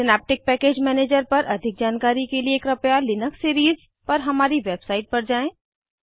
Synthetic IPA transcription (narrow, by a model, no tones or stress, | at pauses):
sɪnɛːp̚ʈɪk̚pɛːkeːd͡ʒmɛːneːd͡ʒəɾpɐɾʔɐd̪ʱɪk̚d͡ʒaːnkaːɾikelieːkɾɐpjalɪnəksːiːɾiːz | pɐɾɦɐmaːɾiʋeːbsaːɪʈ̚pɐɾd͡ʒaːẽː